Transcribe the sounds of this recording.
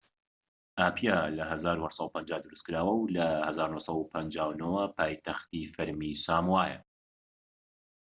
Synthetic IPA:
ʔaːpʰijalɐɦɐzaːɾuhɛsˤɑupɐnd͡ʒaːd̪ɨɾuskɨɾaːwɐwlɐhɐzaːɾunosˤɑupʰɐnd͡ʒaːwnowapʰaːjt̪ʰɐxt̪ifɐɾmisaːmwaːjɐ̰

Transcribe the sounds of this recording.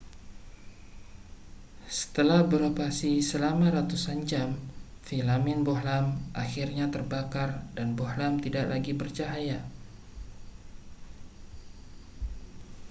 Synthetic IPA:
sə̥t̪əlahbəɾopasisəlamaɾat̪usand͡ʒam | filamɪnbohlamʔaxirɲat̪ərbakardanbohlamt̪idaʔlaɡibərt͡ʃaɦaja

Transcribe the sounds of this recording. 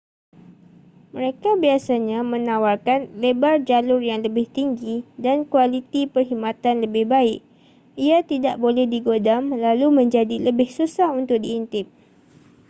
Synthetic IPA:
məɾekabiasaɲãmə̃nawarkanlebard͡ʒalʊrjaŋləbɪht̪iŋɡidankualit̪ipərɦimãt̪anləbɪhbaɪʔ̚ | iat̪idaʔbolɛhdiɡodamlalumə̃ɲd͡ʒadiləbɪhsusahunt̪ʊk̚diːnt̪ɪp̚

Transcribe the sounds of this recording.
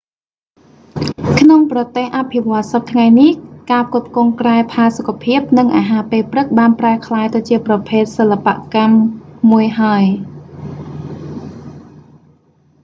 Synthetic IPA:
kʰnoŋprɑt̪eːhʔapʰiʋŏət̪̚sɑp̚t̪ʰŋajnihkaːpkʊp̪̚koŋkraɛpʰaːsokʰːapʰiəp̚nɨŋʔaːɦaːpeːlprɨk̚ɓaːnpraəkʰlaːjt̪ɨt͡ɕiəprɑpʰeːt̪̚səlːapa̰ʔkamːuəjɦaəj

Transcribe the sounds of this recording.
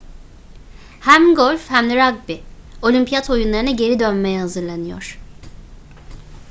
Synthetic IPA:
hæmɡolʲfhæmd̪ɛɾaɡ̚bio̞lʲimpʰijat̪ʰojunlˠaɾɯnɛɟe̞ɾid̪ønmejɛhazɯɾlˠanɯjo̞̰ɾ̥

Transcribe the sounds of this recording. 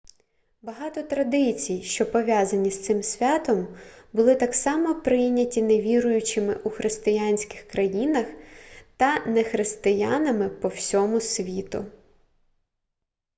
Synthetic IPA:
bɐɦɑt̪ɔt̪ɾɐd̪ɪt͡sʲijʃt͡ʃɔpɔʋʲjazɐnʲist̪sɪmsʲʋʲat̪ɔmbʊlˠɪt̪ɑksɑmɔpɾɪjnʲɐtʲineʋʲiɾʊjʊt͡ʃɪmɪ̰ʔuxɾʔɪst̪ɪjanʲsʲkɪ̥xkɾɐjinɐxt̪ɐnɛxɾɪst̪ɪjanɐmɪpɔwsʲɔmʊsʲʋʲit̪ʊ̰

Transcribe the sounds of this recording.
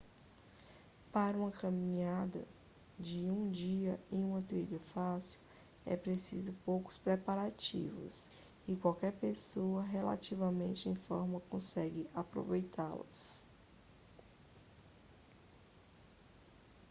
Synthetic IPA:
paɾɐũmɐkɐmĩɲad̪ɐ̰ | d͡ʒɪũd͡ʒiɐẽj̃ũmɐt̪ɾiʎɐfasiw | ɛ̰pɾesizʊpowkʊ̥spɾepaɾat͡ʃḭvʊ̰s | ɪkwawkɛɾpesoɐɦela̰t͡ʃivɐmẽnt͡ʃɪẽj̃fɔɾmɐkõsɛɡɪʔapɾo̰vejt̪alɐ̰s

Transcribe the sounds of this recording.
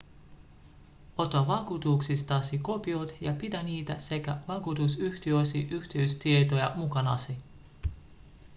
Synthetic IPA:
o̞t̪oɑʋɑkut̪uːksist̪ɑsiko̞piot̪jɑpit̪æniːt̪æse̞kæʋɑkut̪usyçt̪iøsiʔyçt̪iøɥst̪iet̪ojɑmukɑnɑ̰si

